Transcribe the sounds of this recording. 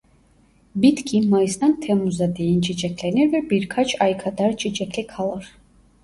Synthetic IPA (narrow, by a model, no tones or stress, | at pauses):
bit̪ʰkʰimajsnant̪ʰɛmuzad̪ɛint͡ʃʼit͡ʃʼɛkʰlɛnɛɾvɛbiɾkʰat͡ʃʰajkʰad̪aɾt͡ʃʼit͡ʃɛkʰlɛkʰalˠəɾ